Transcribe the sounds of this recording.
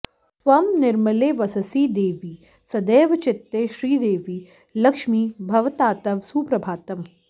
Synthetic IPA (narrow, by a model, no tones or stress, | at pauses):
sʋɐmnɪɾmɐleːʋɐsɐsiːd̪eːʋiː | sɐd̪eːʋɐt͡ʃɪt̪ːeːʃɾiːd̪eːʋi | lɐkʃmiːbʱɐʋt̪aːt̪ɐʋsuːpɾɐbʱaːt̪ɐm